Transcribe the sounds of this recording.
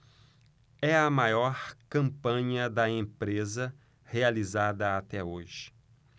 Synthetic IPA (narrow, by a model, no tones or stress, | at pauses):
ɛɐmajɔɾkɐ̃mpɐ̃ɲɐd̪ɐẽpɾezɐ | healizad̪ɐat̪ɛoʒɪ̥